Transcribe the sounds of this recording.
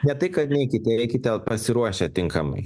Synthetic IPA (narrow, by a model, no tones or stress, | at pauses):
nʲɛt̪ɐɪkɐt̪nʲɛɪkʲɪt̪ʲɛɛɪkʲɪt̪ʲɛpɐsʲɪɾuɔʃʲɛt̪ʲɪŋkɐmɐ̰ɪ